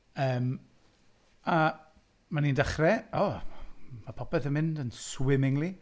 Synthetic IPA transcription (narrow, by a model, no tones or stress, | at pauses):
əːm | a | manindaχrɛɔ | mapʰɔpɛθənmɪndənswɪmɪŋli